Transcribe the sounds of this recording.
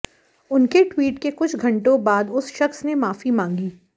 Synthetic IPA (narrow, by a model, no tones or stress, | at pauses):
ʊnkeʈwiːʈkekʊt͡ʃʰɡʱɐ̃ɳʈõbaːd̪ʊsʃɐxsnemaːfimãːŋɡiː